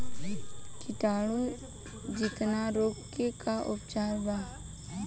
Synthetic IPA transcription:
kɪʈaːɽu | d͡ʒɪt̪naɾoːkekaʔʊpt͡ʃaːɾbaː

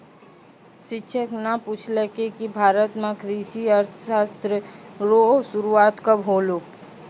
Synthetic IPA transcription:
ʃɪtːʃʰəknaput͡ʃʰlekekibʱaːɾət̪mãkʰɾiːʃiɐɾt̪ʰə̥ʃaːst̪ɾəɾosʊɾuaːt̪kabʱoːlo

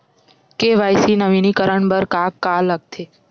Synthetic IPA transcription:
keʋajsinəʋinikəɾəɳbəɾkakːaləɡ̚t̪ʰe

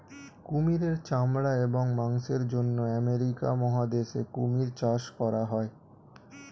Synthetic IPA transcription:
kumiɾeɾt͡ɕamɾaeboŋmaŋʃeɾd͡ʑonːoɛmeɾika̰mɔɦad̪eʃekumiɾt͡ɕaʃkɔɾaɦɔe

